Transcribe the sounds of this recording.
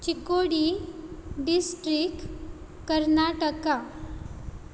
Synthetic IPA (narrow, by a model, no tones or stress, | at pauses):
t͡ɕikoɽi | ɖisʈɾik | kəɾnaʈəka